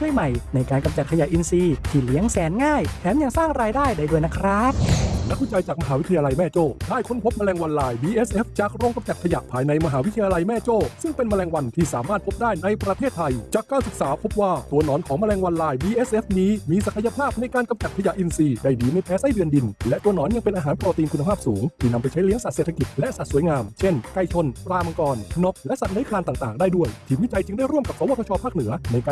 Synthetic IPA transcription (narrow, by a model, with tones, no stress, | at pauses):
ka˥˩jma˨˩jna˧jkaː˧nka˧mt͡ɕa˨˩t̚kʰja˨˩ʔi˧nsiː˧t̪ʰiː˧˩li˨˦əŋsɛː˨˦nŋaː˥˩j̪ʰɛː˨˦mja˨˧˩ŋsaː˥˩ŋɾaː˧jdaː˥˩jda˧˩jdu˧˩əjna˦˥kʰɾa˦˥p̚na˦˥k̚ʰːi˦˥˩t͡ɕa˧jt͡ɕaː˨˩k̚ma˧ɦaː˩˦wi˦˥t̪ʰa˧ja˧la˧jmɛː˥˩t͡ɕoː˥˩t̪ʰaː˥˩jkʰo˧˥npʰo˦˥p̚ma˧lɛː˧ŋwa˧nlaː˧jbiː˧ʔeː˦˥sʔeː˦˥ft͡ɕaː˨˩k̚ɾoː˧ŋka˧mt͡ɕa˨˩kʰa˧ja̰˨˩ʔpʰaː˧jna˧jma˧ɦaː˩˦wi˦˥t̪ʰa˧ja˧la˧jmɛː˥˩t͡ɕoː˥˩sɯ˥˩ŋpe˧nma˧lɛː˧ŋwa˧nt̪ʰiː˥˩sa̰ː˨˩˦maː˥˩t̪̚pʰo˦˥p̚daː˥˩jna˧jpɾa˧t̪ʰeː˥˩t̪ʰːa˧jt͡ɕaː˨˩kːaː˧nsɯ˨˩k̚saː˩˦pʰo˦˥p̚waː˥˩t̪u˧ɐnɔː˩˦nkʰɔː˨˩ŋma˧lɛː˧ŋwa˧nlaː˧jbiː˧ʔeː˦˥sʔe˦˥fniː˦˥miː˧sa˨˩kʰa˧ja˧pʰaː˥˩p̚na˧jkaː˧nka˧mt͡ɕa˨˩kʰːja˨˩ʔi˧nsiː˧da˧˩jdiː˧˩na˧jpʰɛː˦˥sa˥˩jdɯ˧ndi˧nlɛ˦˥ʔt̪u˧ənɔː˩˦nja˧ŋpe˧nʔaː˧ɦaː˩˦npɾɔː˧t̪iː˧nkʰu˧na˧pʰaː˥˩p̚suː˩˦ŋt̪ʰiː˥˩na˧mpa˧jt͡ɕʰa˦˥jli˦˥əŋsa˨˩seː˨˩t̪ʰa˧ki˨˩t̪̚lɛ˦˥sa˨˩su˩˦jŋaː˧mt͡ɕʰe˥˩nka˧˩jt͡ɕʰo˧npɾaː˧ma˧kɔː˧nno˦˥k̚lɛ˦˥ʔsa˨˩nɯ˦˥jkʰaː˧nt̪aː˨˩ŋt̪aː˨˩ŋdaː˥˩jdu˥˩əjt̪ʰiː˧˩mwi˦˥t͡ɕa˧jt͡ɕɯ˧ŋdaː˥˩jɾu˥˩mka˨˩p̚sɔː˨˦waː˥˩k̪ʰɔ˧t͡ɕʰɔː˧pʰaː˥˩k̚nɯ˩˦ɐna˧jkaː˧